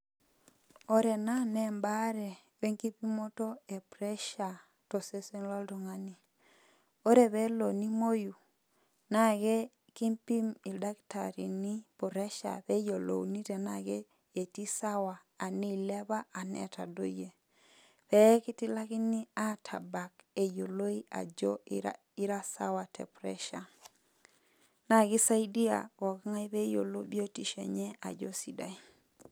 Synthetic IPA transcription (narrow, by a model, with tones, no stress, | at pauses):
o˦ɾɛ˨na˦nɛ˦mba˦ɾɛ˨ | wɛ˦ŋki˦pi˦mo˦to˦ɛ˨pɾɛ˦ʃa˨ | to˨se˦se˦nlɔ˦lto˨ŋa˦ni˨ | o˦ɾɛ˨βɛ˦lo˨ni˦mo˦ju˨ | na˦˨ɡɛ˦ | ki˦mpi˦mi˨lda˦kta̰˨ɾḭ˨ni˦po˨ɾɛ˦ʃa̰˨pɛ˦jo˨lo̰˨wni˦tɛ˨na˨ɡɛ˦ | e˨ti˦sa˦waː˨ni˦˨lɛ˦ba˦ʔa˨nɛ̰˨ta̰˨do̰˦je˨ | pɛ˨˦kɪ˦ti˦la˦ki˦ni˦a˦tʰa˨ba˨ke˨jo˨lo˦i˦a̰˨d͡ʒɔ˦ | i˦ɾa˦sa̰˦wa˨tɛ̰˨pɾɛ̰˦ʃa˨ | na˨ɡɪ˦sa˦i˦di˦a̰˨kɔ˨kŋa˦i˦pɛ˦jo̰˨lo˦bi˦o˦ti˦ʃḛ˨ɲɛ˦a̰˨d͡ʒo˦si˦da˨i˨